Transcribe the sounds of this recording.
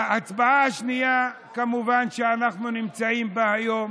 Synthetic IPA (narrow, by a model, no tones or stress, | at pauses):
aat͡sbaaaʃnija | kamuvanʃeanaχnunimt͡saimbaajo̞m